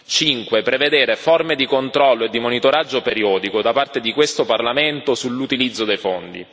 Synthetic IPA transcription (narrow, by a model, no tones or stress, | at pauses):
t͡ʃiŋkwepɾeved̪eːɾeformed̪ikont̪ɾɔlːoed̪ːimonit̪oɾad͡ʒːopeɾiɔːd̪ikod̪apart̪ed̪ikwest̪oparlament̪osulːut̪ilid̪zːod̪ejfond̪ḭ